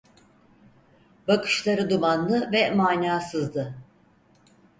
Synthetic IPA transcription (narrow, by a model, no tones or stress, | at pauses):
bakʰɯ̥ʃlˠaɾɯd̪uvanld̪ˠɯvɛmaːnʲaːsɯzd̪ɯ